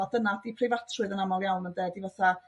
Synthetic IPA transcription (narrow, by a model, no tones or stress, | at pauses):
adənad̥ipʰrɪvatʰrʊɨðənamɔlˠjawnməndɛdivaθa